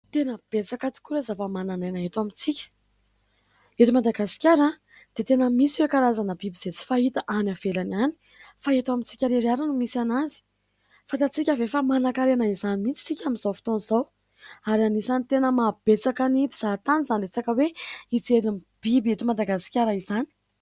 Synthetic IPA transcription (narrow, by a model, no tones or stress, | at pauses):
t̪enəb̥et͡sakat͡s̪i̥kʲuɾezapamananajnaɦet̪amit͡sikʲə̥ | et̪imad̪aɡasi̥kʲaɾa | d̪̥et̪enəmisiwekaɾazanəbibiz̥et͡si̥faɦit̪əʔanavelaniani̥ | faet̪amit͡si̥kʲaɾeɾiaɾanumisianazi̥ | fant̪at͡sikʲəvefamanakaɾenaizanimit͡si̥t͡sikʲaminzawfi̥t̪oniz̥aw | aɾanisanit̪enəmab̥et͡sakanipi̥z̥at̪anizanret͡sakəweit͡seɾinib̥ibiet̪imad̪aɡasi̥kʲjaɾəizani̥